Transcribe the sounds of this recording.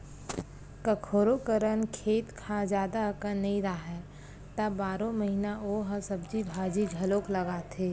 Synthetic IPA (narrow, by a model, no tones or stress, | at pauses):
kɐkʰoːɾokəɾənkʰeːt̪kʰad͡ʒjaːd̪akənːĩɾaɦɛː | t̪abaːɾõmɐɦinaʔoɦɐsɐbd͡ʒibʱaːd͡ʒid͡ʒʱɐloːklɐɡaːt̪ʰeː